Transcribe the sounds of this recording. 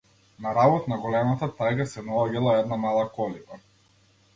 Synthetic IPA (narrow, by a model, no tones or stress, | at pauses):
naɾabɔt̪naɡɔlɛmat̪at̪ajɡasɛnaɔɡilˠaɛd̪namalˠakɔliba